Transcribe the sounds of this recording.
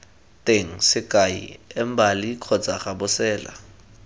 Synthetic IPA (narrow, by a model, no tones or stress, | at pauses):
tʼeŋ̩sɪkʼaḭɛmbalikʰɔt͡sʼaχabʊsɛːla̰